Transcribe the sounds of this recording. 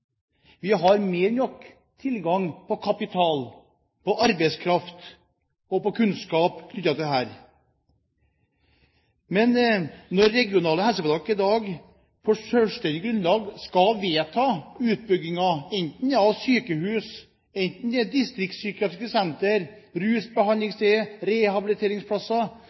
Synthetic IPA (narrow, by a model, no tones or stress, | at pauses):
ʋɪɦɑɾmeːɾnɔk | t̪ʰɪlɡɑŋpʰɔkʰɑpɪt̪ʰɑːl | pɔʔɑɾbɛɪskʰɾɑft̪ | ɔpɔkʰʉnskɑːpkʰnʏt̪ːɑt̪ɪd̪ɛɦæːɾ | mɛnnɔɾːɛɡɪʊnɑːləhɛlsəpɑlɑkːɪd̪ɑːɡ | pʰɔʂœlst̪ɛnd̪ɪɡɾʉnlɑːɡskɑʋeːt̪ʰɑːʉːt̪̚bʏɡɪŋɑɛɪnt̪n̩ɑʋsyːkəhʉːs | ɛɪnt̪n̩d̪ɛd̪ɪst̪ɾɪk̚t̪syːkɑt̪ɾɪskəsɛnt̪əɾ | ɾʉːsbəɦɑnlɪŋst̪eɾɛhɑbɪlɪt̪ʰeːɾɪŋspʰlɑsɑ